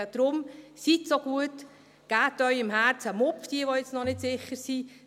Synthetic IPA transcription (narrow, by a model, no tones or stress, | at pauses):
d̥ɾʊmsitsoɡ̥uət | ɡ̥aːtœʏɪmɦæːɾt͡səmʊpfd̥iəʋojɛt͡snɔnɪtsɪχəɾsi